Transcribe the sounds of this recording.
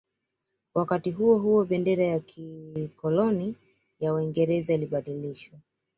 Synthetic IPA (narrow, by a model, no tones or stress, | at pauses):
wʔakatiɦuɔɦuɔɓɛndɛɾajakʰikɔlɔni | jawaiŋɡɛɾɛzailiɓaɗiliʃwa